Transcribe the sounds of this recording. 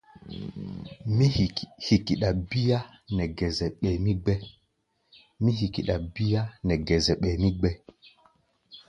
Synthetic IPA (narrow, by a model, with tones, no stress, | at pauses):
mi˦˨hi˨ki˨ɗa˨bi˦ja˦ | nɛ˨ɡɛ˨zɛ˨ɓɛ˨mi˦ɡ͡bɛ˦ | mi˦ɦi˨ki˨ɗa˨bi˦ja˦nɛ˨ɡɛ˨zɛ˨ɓɛ˨mi˦ɡ͡bɛ˦